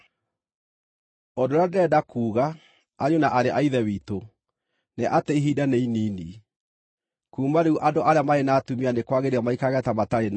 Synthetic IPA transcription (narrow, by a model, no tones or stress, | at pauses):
ɔdoɾadɛːdakʰuːɣa | aɲonaʔaɾeʔaiðɛwiːto | neʔateiɦidaneiniːni | kuːmaɾeuʔadoʔaɾeamaenaːtumianekwaɣeɾeamaikaɣɛtamataɾen